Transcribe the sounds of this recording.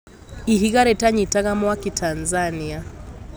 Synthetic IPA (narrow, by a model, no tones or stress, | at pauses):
iɦiɣaɾɛtaɲitaɣamɔakitʰanzania